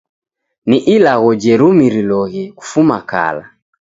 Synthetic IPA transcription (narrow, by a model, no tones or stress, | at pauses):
niʔilaɣɔd͡ʒɛɾumiɾilɔɣɛku̥fumaka̰la